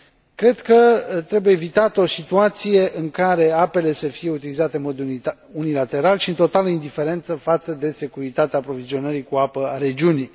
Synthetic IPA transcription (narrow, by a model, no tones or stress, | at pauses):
kɾe̞d̪kət̪ɾe̞buje̞ːvit̪at̪əo̞sit̪uat̪sije̞ʔɨŋkaɾe̞ape̞le̞səfije̞ut̪ilizat̪eɨnmo̞d̪ | unilat̪e̞ɾalʃiɨnt̪o̞t̪aləind̪ife̞ɾe̞nt̪səfat̪səd̪e̞se̞kuɾit̪at̪eaːpɾo̞vizio̞nəɾikuapəaɾe̞d͡ʒiunij